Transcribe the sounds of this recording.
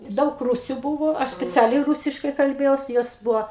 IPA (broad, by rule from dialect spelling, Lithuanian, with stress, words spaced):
ˈdɐʊk ˈruːsʲʊ ˈbʊʋoː ˈɐʃ sʲpʲɛˈt͡sʲæːlʲɛɪ ˈruːsʲɪʃkɐɪ kɐlʲˈbʲeːjɛʊs ˈjoːs ˈbʊʋoː